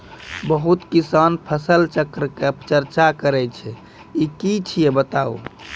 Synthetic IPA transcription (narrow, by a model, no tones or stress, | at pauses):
bəɦut̪kisanpʰəsəlt͡ʃəkɾəket͡ʃəɾt͡ʃakəɾɛt͡ʃʰɛ | ikit͡ʃʰijebət̪au